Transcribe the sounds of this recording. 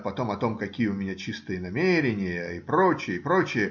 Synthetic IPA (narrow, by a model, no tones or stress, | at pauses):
pɐt̪o̞mɐt̪o̞mkɐkʲijəʊmʲɪnʲat͡ɕist̪ɨjənɐmʲeɾʲɪnʲɪjəɪpɾo̞t͡ɕɪjəɪpɾo̞t͡ɕɪjə